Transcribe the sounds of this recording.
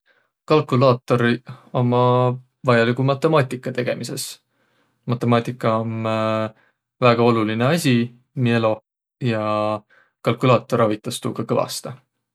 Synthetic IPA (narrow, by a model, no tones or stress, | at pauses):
kɑlkulɑːt̪ːˑo̞ɾio̞mɑ | vɑjɑlikumɑt̪ːˑe̞mɑːt̪ʲːˑikːˑɑt̪e̞ɡ̥e̞mʔise̞s | mɑt̪ːˑe̞mɑːt̪ˑikːˑɑon | væːɡ̥ɑo̞luline̞ɑsʲi | mielo̞ | jɑ | kɑlkulɑːt̪ːˑo̞ɾɑvit̪ːˑɑst̪uːɡ̥ɑkɤvɑ̰st̪ɑ